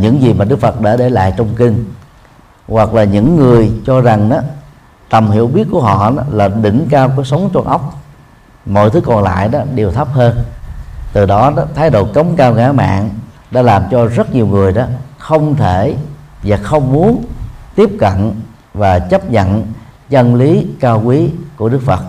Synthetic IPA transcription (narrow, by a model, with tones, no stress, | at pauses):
ɲɨ̰˧˥ŋzi˨˩maː˨˩ɗɨ˦˥k̚fə˨˩t̚ɗa̰ː˧˥ɗe˧˩la̰ː˧˨jt͡ɕɔ˧wŋ͡mkï˧ŋ | ɣwa˨˩k̚laː˨˩ɲɨ̰˧˥ŋːɨ˨˩əjt͡ɕɔ˧za˨˩ŋɗaː˨˦ | t̪ə˨˩mhḭ˧˨əwɓi˦˥ət̚ku˧˩əɦɔ̰˧˨na˨˦laː˨˩ɗḭ̈˧˩ŋ̟kaː˧wkɔ˧˦sə˨˦wŋ͡mt͡ɕwa˧nʔə˦˥wk͡p̚ | mo̰˧˨jt̪ʰɨ˨˦˥kɔ˨˩nla̰ː˧˨jɗɔ˨˦ɗe˨˩wt̪ʰə˦˥p̚həː˧nt̪ɨ˨˩ɗɔ˨˦ɗt̪ʰaː˨˦jɗo̰˧˨kə˨˦wŋ͡mkaː˧wɣaː˧˥ma̰ː˧˨ŋ | ɗa̰ː˧˥laː˨˩mt͡ɕɔ˧zə˦˥t̚ɲi˨˩əwŋɨ˨˩əjɗɔ˨˦xə˧wŋ͡mt̪ʰe˧˩ | vaː˨˩xə˧wŋ͡mmu˨˦ənt̪i˦˥əp̚kə̰˧˨n | vaː˨˩t͡ɕə˦˥p̚ɲə̰˧˨n | t͡ɕə˧nli˨˦kaː˧wkwi˨˦ku˧˩əɗɨ˦˥k̚fə˨˩t̚